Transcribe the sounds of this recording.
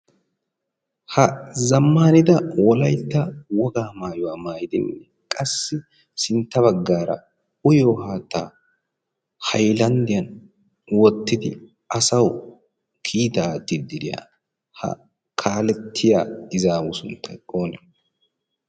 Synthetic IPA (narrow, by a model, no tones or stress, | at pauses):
hɐzɐmːaːnɪd̪ɐwɔlɐjt̪ːɐwɔɡaːmaːjʊwaːmaːjɪd̪ɪnːɛ | kʼɐsːɪ | sɪnt̪ːɐβɐɡːaːɾɐ̰ | ʊjoːhaːt̪ːaː | hɐjlɐnd̪ɪjɐn | wɔt̪ːɪd̪ɪ | ɐsɐw | kʰiːt̪aːt̪ːɪd̪ɪɾɪja̰ | hɐ̰ | kʰaːlɛt̪ʰːɪjaːɪzaːwʊsʊnt̪ʰːɐjkʼoːnɛ